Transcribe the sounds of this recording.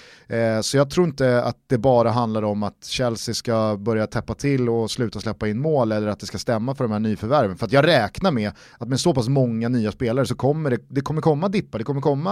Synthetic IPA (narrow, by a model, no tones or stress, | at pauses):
sɔjɑɡ̚t̪ʰɾuːɾɪnt̪əa̰tt̪̚d̪ɛbɑːɾaɦand̪laɾɔmat̪ɕɛlsɪskabœɾjat̪ʰɛpːat̪ʰɪlːɔslʉ̟ːt̪aslɛpːaɪnːmoːlɛlːəɾat̪̚d̪ɛskast̪ɛmːafœɖɔmhæːɳyːfœɾvæɾvənfœɾat̪jɑːɡɾɛːknaɾmɛ | at̪mɛsopasmɔŋːanyːaspeːlaɾəsɔkʰɔmːəɖɛd̪ɛkʰɔmːəɾkʰɔmːad̪ɪpːad̪ɛkɔmːəɾkʰɔmːa